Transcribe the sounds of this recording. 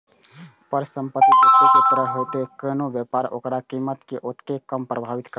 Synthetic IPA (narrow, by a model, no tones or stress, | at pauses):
pəɾsəmpət̪ːik̪okɪt̪əɾəɦoːt̪ekəːnõʋjəːpaːɾo̰ːkɾakiːmːət̪keʔot̪ʰkekəmpɾəbʱaːʋɪt̪kə